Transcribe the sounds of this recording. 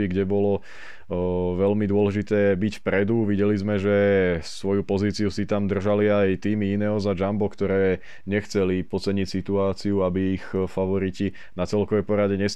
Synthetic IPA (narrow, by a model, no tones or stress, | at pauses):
iɡɟɛbɔlɔ | ʋɛlmid̪ʊɔlɛʒit̪ɛːbicfpɾɛd̪uʋiɟɛlizmɛʒɛsʋɔjupɔziːt͡siusit̪amd̪r̩ʒaliajt̪iːmiinɛːɦɔzad͡ʒambɔkt̪ɔɾɛː | ɲɛxt͡sɛlipɔt͡sɛɲicsit̪uaːt͡siuabiːxfaʋɔɾici | nat͡sɛlkɔʋɛjpɔɾaɟɛɲɛs